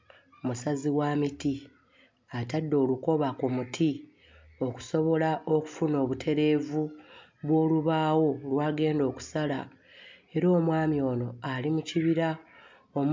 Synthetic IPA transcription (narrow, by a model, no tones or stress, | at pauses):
musaziwaːmiti | atadːo̞ːluko̞βakumutʰi | o̞ku̥so̞βo̞lao̞ku̥funo̞ːβutʰe̞ɾe̞ːvu | βwo̞ːluβaːwo̞lwaːɡe̞ːndo̞ːku̥sala | e̞ɾo̞ːmwaːmjo̞ːno̞alimuciβiɾa | om